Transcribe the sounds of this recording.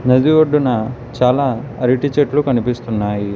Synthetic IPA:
nɐd̪iʋoɖːunɐt͡ʃaːlaːɐɾiʈit͡ʃeʈlukɐnipist̪unːaːji

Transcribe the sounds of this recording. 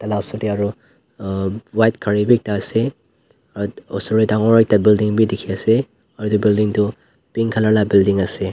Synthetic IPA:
talasutiaɾu | wajt̚kʰaɾibik̚tase | ɔsuɾitaŋɔɾajk̚tabildiŋbidikʰiɐse | aɾudubildiŋtu | piŋkʰalalabildiŋɐse

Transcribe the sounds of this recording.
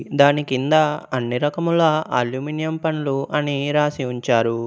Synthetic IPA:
d̪aːnikind̪ɐɐnːiɾɐkɐmulaːʔa̰ːljuːminijɐmpɐnluʔɐniɾaːsiuɲt͡ʃaːɾu

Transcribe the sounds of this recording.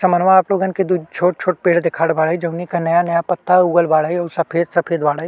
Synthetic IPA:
sɐmənʋaːploːɡənked̪ut͡ʃʰoːʈ̚t͡ʃʰoːʈpeːɽd̪ekʰaːɽbaːɽid͡ʒɐʊnikanɐjanɐjapɐt̪ːauːɡəlbaːɽaiɔːɾsɐpʰeːd̪sɐpʰeːd̪baːɽaɦi

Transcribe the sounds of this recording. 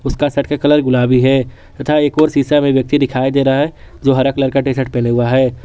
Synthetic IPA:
ʊskasɐʈʰkakɐləɾɡʊlaːbiɦɛː | ɐt̪ʰaːeːkɔːɾsiːsamẽʋjək̚t̪id̪ɪkʰaːed̪eːɾaaɦɛ | d͡ʒoːɦɐɾəkələɾkaʈeːsəʈ̚pɛːleɦʊaɦɛː

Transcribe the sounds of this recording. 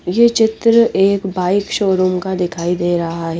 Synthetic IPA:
jet͡ʃɪt̪ɾəʔeːkbaːɪkʃoːɾuːmkad̪ɪkʰaːid̪eːɾɐɦaɦɛ

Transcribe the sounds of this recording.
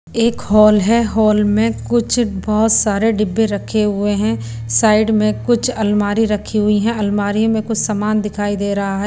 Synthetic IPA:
eːkɦɔːlɦɛɦɔːlmẽkʊt͡ʃʰbɔɦʊt̪saːɾeɖɪbːeɾɐkʰːeɦʊeɦɛ̃ | saːɪɖmẽkʊt͡ʃʰɐlmaːɾiɾɐkʰːiɦʊiɦɛ̃ɐlmaːɾijõmẽkʊt͡ʃʰsamaːnd̪ɪkʰaːid̪eːɾɐɦaɦɛ

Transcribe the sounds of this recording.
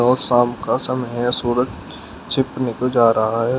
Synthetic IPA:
ɔːɾsãːmkasɐmɦɛsuːɾəd͡ʒ | t͡ʃʰɪpnekod͡ʒaːɾɐɦaɦɛː

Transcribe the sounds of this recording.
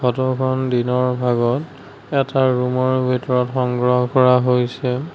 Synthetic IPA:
kʰɔtɔkʰɔndinɔɹbʱaɡɔt | ɛtaɹumɔɹbʱitɔɹɔtxɔŋɡɹɔɦɔkɔɹaɦojsɛ

